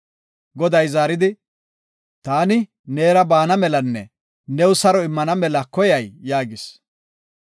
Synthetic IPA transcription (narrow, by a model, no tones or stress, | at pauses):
ɡɔd̪ɐjzaːɾɪd̪ɪ | t̪aːnɪ | ne̞ːɾɐbaːnɐmɛlɐnːɛ̰ | nɛwʊsɐɾɔɪmːɐnɐmɛlɐkɔjɐjːaːɡɪs